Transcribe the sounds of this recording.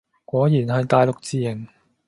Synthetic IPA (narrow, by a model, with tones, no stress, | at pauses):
kʷɔː˨˥jiː˨˩nɦɐ˨jt̪aː˨jlʊ˨k̚t͡siː˨˧jɐ˨˩ŋ